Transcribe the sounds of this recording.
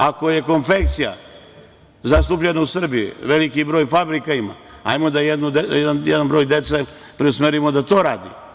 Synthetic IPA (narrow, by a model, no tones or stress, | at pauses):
ako̞je̞ko̞nfe̞k̚t̪sija̰ | zast̪up̬ʎenausr̩bijṵʋe̞likibɾo̞ːjfabɾikaima̰ | a̰jmo̞d̪ajed̪nud̪ejed̪anjɛd̪anbɾo̞ːjd̪e̞t̪se | pɾeusmeɾimo̞d̪at̪o̞ːɾaːd̪ḭ